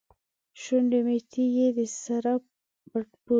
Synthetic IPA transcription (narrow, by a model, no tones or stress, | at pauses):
ʃuɳɖemet̪ʰijed̪əsaɾa | baʈpu